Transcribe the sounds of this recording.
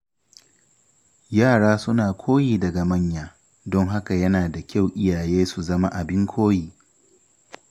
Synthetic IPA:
jaː˦˨ɽaː˦sʊ˦naː˨kʷʰoː˦jiː˨dɐ˨ɡa˨mɐ˦˨ɲjaː˦ | dɔ˦ŋɦa˦ka˨jɐ˦naː˨da˨kʲa˦˨wʔɪ˦jaː˨jeː˦su˨zɐ˦ma˦ʔa˨bɪ˦ŋkʷʰoː˦jiː˨

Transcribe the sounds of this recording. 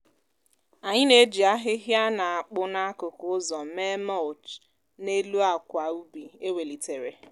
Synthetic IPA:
a˨ɲɪ˦ne˦d͡ʒi˨a˦ɦɪ˦ɦja˦na˨a˨k͡pʊ˦na˦kʊ˨kʊ˦ʊ˦zɔ˨me˦mɔ˦lt͡ʃ | ne˦lu˦a˨kʷa˨u˦bi˨e˦we˨li˨te˨ɾe˨

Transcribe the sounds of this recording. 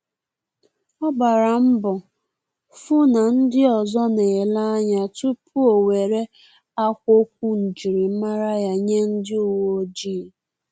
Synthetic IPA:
ɔ˦ɡ͡ba˨ɾa˨m̩˦bɔ˨ | fʊ˦na˨n̩˦dɪ˦ɔ˨zɔ˦ne˨la˦a˦ɲa˨tu˦pʰu˦o˨we˨ɾe˦ | a˦kʷo˦k̚ʷu˦n̩˨d͡ʒi˨ɾi˨m̩˦ma˦ɾa˦ja˦ɲe˦n̩˦dɪ˦u˨wo˦d͡ʒi˦˨

